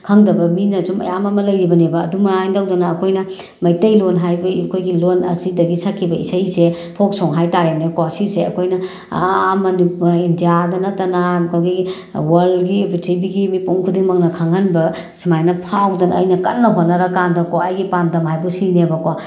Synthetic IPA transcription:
kʰaŋdɐbɐminɐd͡ʒumɐ̰jamɐmɐlɐjɾibɐnebɐːdumɐajndawdɐnɐːkʰojnɐ | mɐjtɐjlonɦajbɐkʰojɡilonɐsidɐɡisakʰːibɐisajse | pʰok̚soŋɦajtaɾenekwasiseɐkʰojnɐ | mɐniindijadɐnɐtːɐnaaɡi | wɐɾlɡibitibiɡimipuŋkʰudiŋmɐŋnɐkʰaŋhɐnbɐ | simajnɐpʰawdɐnɐɐ̰jnɐkɐtnːɐɦotnɐɾɐkandɐkowaːjɡipandɐmɦajbusinebɐkwa

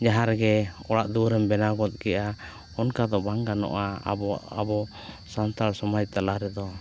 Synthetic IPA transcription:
d͡ʒaɦaɾɡɛɔɽaʔd̪uɾɛmbɛnaɡɔt̪̚ˀkɛʔa | ɔnkad̪ɔbaŋɡanɔ̰ʔaabɔ | sant̪aɾsɔmaj̚t̪alaɾɛd̪ɔ

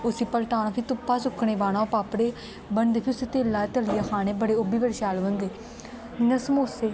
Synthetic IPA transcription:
ʊsiːpəɾʈ̪aːnaːpʰit̪ʊpːaːsʊkʰːɽeːbaːñaːopaːpɽeː | bənd̪pʰiːʊsiːt̪eːlːaːt̪əlɪjaːkʰaːneːbəɽeːʊbiːpəɽʃaːlʋəŋɡeː | nəsmoːseː

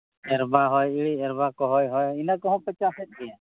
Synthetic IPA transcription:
ɛɾbaɦɔjiɭiɛɾbakɔɦɔjɦɔjinakɔɦɔ̃pɛt͡ʃasɛt̪̚ɡɛjã

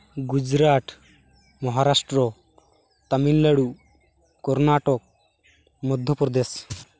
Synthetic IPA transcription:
ɡud͡ʒɾaʈ̪ | mɔɦaɾasʈɾɔ | t̪aminlaɽu | kɔɾnaʈɔk̚ | mɔd̪ʱːjɔpɾɔd̪es

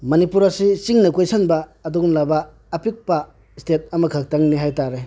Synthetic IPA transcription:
mɐnipuɾɐsisiŋnɐkojsanbɐːdɔɡunlabɐː | pik̚pɐ | stet̚ɐmɐkʰak̚taŋniɦajtaɾe

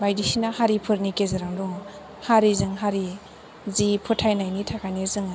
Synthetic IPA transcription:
bajdisinahaɾipʰɯɾnikezɯɾaŋdɔŋ | haɾizɯŋɦaɾi | zipʰɯtʰajnajnitʰakʰajnizɯŋ

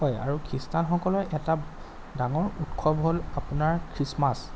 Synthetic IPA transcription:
ɔja̰ɹukʰɹistanxɔkɔlɔjʔɛta | daŋɔɹutkʰɔbɦolapunaɹkʰɹismas

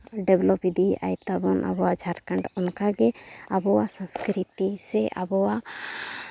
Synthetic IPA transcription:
ɖɛblɔpid̪ʱia̰jt̪abɔnʔa̰bɔwad͡ʒʱaɾkãɳɖɔnkaɡɛabɔwasə̃skɾit̪isɛʔa̰bɔwa

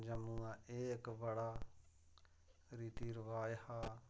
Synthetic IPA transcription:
d͡ʒəmũːãːʔeːkʋəɽaː | ɾiːt̪iːɾəʋaːjhaː

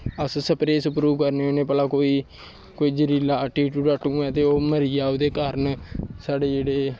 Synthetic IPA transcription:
əssəpɾeːsʊpɾuːkəɾneːoneːpəlaːkoːiː | koːiːd͡ʒəɾiːlaːʈiːʈuːʈaːʈũːɛ̃ːt̪eːoːməɾiːaːod̪eːkəɾənsaːɖeːd͡ʒeːɽeː

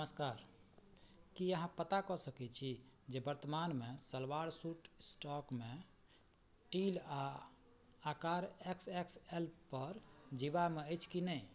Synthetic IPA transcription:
nəməskaɾ | kiəɦãpət̪akɔsəkɛt͡ʃʰid͡ʒebəɾt̪əmanmesəlwaɾsuʈsʈɔkme | ʈilaː | kaɾeksekselpəɾd͡ʒiβameəjt͡ʃʰkinəj

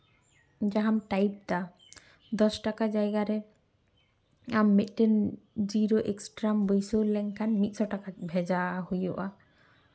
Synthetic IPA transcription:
d͡ʒaɦamʈajp̚t̪a | d̪ɔsʈakad͡ʒajɡaɾɛ | amːet̪ʈend͡ʒiɾoʔeksʈɾambojsowlɛŋkʰanmit̪̚sɔʈakabʱɛd͡ʒaɦojɔʔa

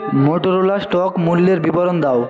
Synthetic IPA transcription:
moʈoɾolasʈɔkmulːeɾbiboɾond̪ao

